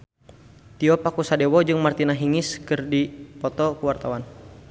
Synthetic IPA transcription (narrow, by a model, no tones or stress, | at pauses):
t̪iɔpakusadɛwɔd͡ʒɨŋmart̪inaɦiŋɪskɨrdipɔt̪ɔkuwart̪awan